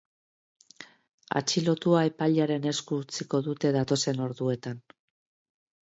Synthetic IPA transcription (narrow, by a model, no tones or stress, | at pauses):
a̰t͡ʃilo̞t̪uaepaʎaɾe̞ne̞skut͡siko̞ðut̪e̞ðat̪o̞se̞no̞ɾðue̞t̪an